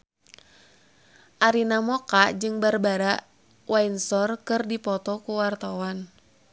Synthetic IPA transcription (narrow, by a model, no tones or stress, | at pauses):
ʔaɾinamɔkad͡ʒɨŋbarbaɾaʔ | wainsɔrkɨrdipɔt̪ɔkuwart̪awan